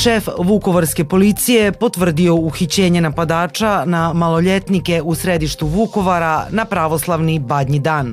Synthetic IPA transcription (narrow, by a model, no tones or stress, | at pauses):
ʃefʋuko̞ʋaɾske̞po̞lit̪sije̞po̞t̪ʋr̩d̪io̞uxit͡ɕe̞ːɲenapad̪aːt͡ʃanamalˠo̞ʎet̪nike̞usɾe̞d̪iʃt̪uʋuko̞ʋaɾanapɾaʋo̞slˠaʋnibad̪ɲid̪aːn